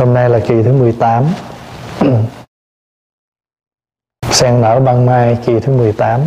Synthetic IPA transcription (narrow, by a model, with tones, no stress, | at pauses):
ho˧mna˧jlaː˨˩ki˨˩t̪ʰɨ˨˦mɨ˨˩əjt̪aː˨˦m | sɛ˧ŋnə̰ː˧˩ɓaː˧ŋmaː˧jki˨˩t̪ʰɨ˨˦mɨ˨˩əjt̪aː˨˦m